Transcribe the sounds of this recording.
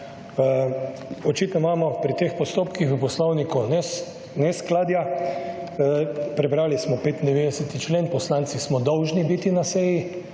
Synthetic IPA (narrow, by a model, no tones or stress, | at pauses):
ɔt͡ʃit̪nɔmaːmɔpɾit̪eːxpɔst̪oːpkixupɔslɔwnikunɛ | nɛsklaːd̪ja | pɾɛbɾaːlismɔpeːt̪ind̪ɛʋeːd̪ɛsɛt̪it͡ʃleːnpɔslant̪sismɔd̪ɔwʒnibit̪inasɛji